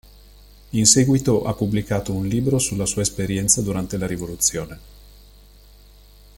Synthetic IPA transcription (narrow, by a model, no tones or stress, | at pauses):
insɛːɡwit̪oʔapːubːlikaːt̪ounliːbɾosulːasuːaespeɾjɛnt̪sad̪uɾant̪elaɾivolut̪sːjoːne